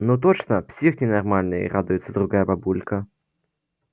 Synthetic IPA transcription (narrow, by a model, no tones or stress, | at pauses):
nut̪̬ot͡ʃnəpsʲixnʲɪnɐrmalʲnɨj̰rad̪ʊjɪt̪səd̪ɾʊɡajəbabulʲkə